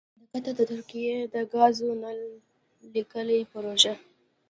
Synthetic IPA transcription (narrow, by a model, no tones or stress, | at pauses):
d̪əkat̪ad̪ət̪ʊɾkijed̪əɡɑzona | likəlipəɾoʒa